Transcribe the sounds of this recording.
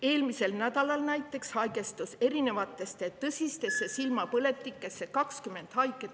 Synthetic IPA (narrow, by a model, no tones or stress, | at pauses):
e̞ːlmise̞lnæd̪̥ɑlɑlnæjt̪ˑːe̞kshɑjɡe̞st̪use̞ɾine̞vɑt̪ːˑe̞st̪e̞t̪ɤsʲist̪e̞sːe̞silmɑpɤle̞t̪ːˑikːˑe̞sːe̞kɑkskyme̞nd̪̥hɑjkːˑe